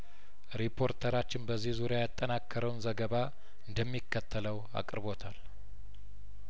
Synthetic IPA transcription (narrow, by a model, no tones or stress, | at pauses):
ɾipʰːo̞ɾt̪ʰəɾat͡ʃːɪnbəzːihzuɾejajat̪ʼːənakːəɾəwnzəɡəβa | ɨnd̪əmːikːət̪ʰːələw | a̰kʼɨɾɨβo̞t̪ʰal